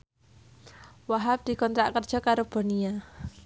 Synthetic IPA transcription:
waɦap̚d̪̥i̤kɔnt̪ɾaʔkərd̥ʒ̥ɔ̤kaɾob̥ɔ̤nia

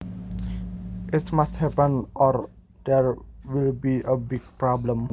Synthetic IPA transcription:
ʔɪtmasthɛpə̃nʔɔr | d̥ɛɹwilbiʔəbɪɡ̚pɹɔblə̃m

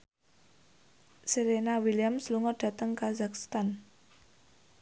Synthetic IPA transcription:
siɾenawiliamsluŋɔɖ̥ä̤t̪əŋkazakst̪an

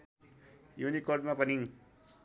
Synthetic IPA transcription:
junikːoʈ̚mãpəniŋ

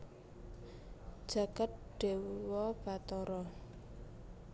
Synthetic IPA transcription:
d̥d͡ʒ̥a̤kat̪̚ɖ̥e̤wwɔb̥at̪ɔɾɔ

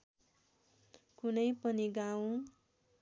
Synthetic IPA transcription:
kunʌjpʌniɡaw̃

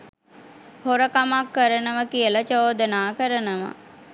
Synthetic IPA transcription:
hoɾəkamakːəɾənəʋəkijələt͡ʃoːd̪ənaːkəɾənəʋa̰

